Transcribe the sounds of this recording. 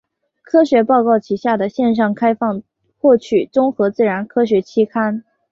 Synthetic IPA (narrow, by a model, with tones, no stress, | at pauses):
kʰɤ˥ɕɥɛ˧˥pɑ˥˧ʊkɑ˥˩ʊt͡ɕʰi˧˥ɕja˥˩d̪ə˩ɕjɛ˥˧nʂ̬ɑ˥˩ŋkʰa˥ɪfɑ˥˧ŋ | xwɔ˥˩t͡ɕʰy˨˩t͡sʊ˥ŋxɤ˧˥t͡sɹ̩˥˩ɻa˧˥nkʰɤ˥ɕɥɛ˧˥t͡ɕʰi˥kʰa˥n